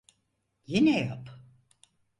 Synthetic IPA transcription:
jinɛja̰p

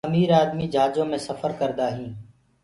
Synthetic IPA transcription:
əmiːɾaːd̪miːd͡ʒʱaːd͡ʒõːmẽːsəfəɾkəɾd̪aːɦĩː

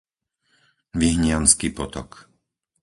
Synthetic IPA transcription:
ʋiɦɲɪanskiːpɔt̪ɔ̰k

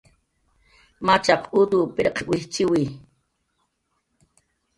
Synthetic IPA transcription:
mat͡ʃaqʔud̪upiɾeqwiht͡ʃiwi

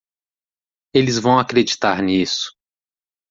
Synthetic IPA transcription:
elɪzvɐ̃w̃akɾed͡ʒit̪aɾnisʊ̥

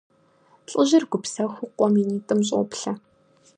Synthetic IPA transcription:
ɬʼɨʑɪrɡʷʊpsɐxʷʊqʷɔminiːtʼɨmɕ̬ʼo̰pɬɐ

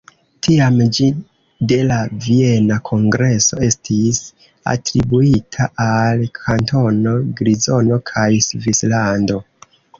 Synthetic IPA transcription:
tʰiamd͡ʒi | de̞lavie̞nakʰo̞ŋɡɾe̞so̞̰e̞stʰis | a̰tɾibuitʰaʔalkʰanto̞no̞ɡɾizo̞no̞kʰajsvislando̞

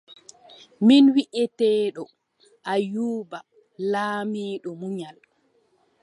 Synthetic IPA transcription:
minwiʔɛtɛːɗɔ | ʔajuːba | laːmiːɗɔmuɲal

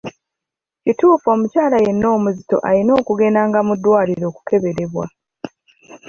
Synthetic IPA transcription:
cituːfo̞ːmucaːlaje̞nːo̞ːmuzito̞̰ʔalino̞ːkuɡe̞ːnaːŋɡamudːwaːliɾo̞ːku̥ke̞βe̞ɾe̞βwa̰

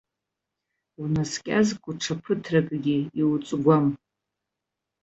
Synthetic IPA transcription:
unaskʲʼazkʷʼʊʈ͡ʂʰapʰɨtʰrakʼɡʲiiwt͡sʼɡʷam

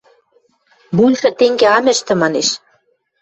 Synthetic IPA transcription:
bulʲʃɘ̆t̪eŋɡeɑmɘ̆ʃt̪ɘ̆mɑneʃ

